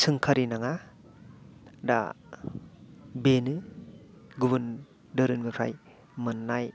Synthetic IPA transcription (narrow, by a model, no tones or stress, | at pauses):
sɯŋkʰaɾinaŋa | da̰ | benɯ | ɡubɯn | dɯɾɯnɡɯkʰa̰j | mɯnːaj